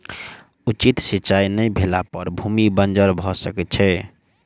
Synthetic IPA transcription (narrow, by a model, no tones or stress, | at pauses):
ut͡ʃit̪siːt͡ʃajnəjbʱelapəɾbʱumibənd͡ʒəɾbʱɔsəkɛt̪t͡ʃʰɛ